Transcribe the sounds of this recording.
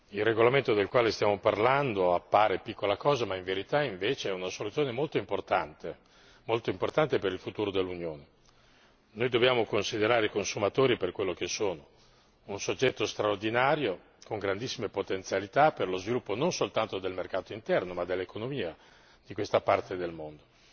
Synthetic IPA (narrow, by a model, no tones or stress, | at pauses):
ilrːeɡolament̪od̪elkwaːlest̪jaːmoparland̪oapːaːɾepikːolakɔːzamaiɱveɾit̪aiɱveːt͡ʃeɛunasolut̪sːjoːnemolt̪oimport̪ant̪e | molt̪oimport̪ant̪epeɾilfut̪uːɾod̪elːunjoːne | nojd̪objaːmokonsid̪eɾaːɾeikonsumat̪oːɾiperkwelːok̟esoːno | unsod͡ʒːɛt̪ːost̪ɾaord̪inaːɾjo | koŋɡɾand̪isːimepot̪ent̪sjalit̪aperlozvilupːononsolt̪ant̪od̪elmerkaːt̪oint̪ɛrnomad̪elːekonomiːa | d̪̥ikwest̪apart̪ed̪elmond̪o